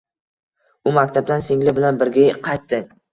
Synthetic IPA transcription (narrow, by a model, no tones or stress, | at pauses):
ʊmakʲt̪ʰab̚d̪ansɪŋlɪbɪlanbɪɾɡʲaqʰɑjt̪ːɪ